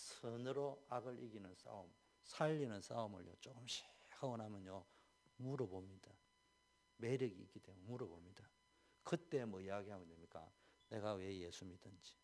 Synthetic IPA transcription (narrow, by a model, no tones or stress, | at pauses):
sʰɯnɯɾoaɡɯɾʔiɡinɯns͈a̰om | sʰaʎːinɯns͈aomɯ̰ɭjo̰t͡ɕoɡɯmɕʰi̥hʰaʌnɦamjʌnjo | muɾɯbomɲida | me̞ɾɯɡiḭk͈ːit͈emmuɾɯbomɲid̥a | kɯt͈e̞mwʌijaɡiɦaɡoɲʌmik͈a̰ne̞ɡawe̞je̞sʰumidɯnd͡ʑi̥